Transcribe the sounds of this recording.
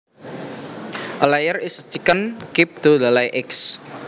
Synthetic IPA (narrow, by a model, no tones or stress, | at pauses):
ʔəlajərɪst͡ʃikənkɪp̚d̪̥o̤d̪alajʔɪks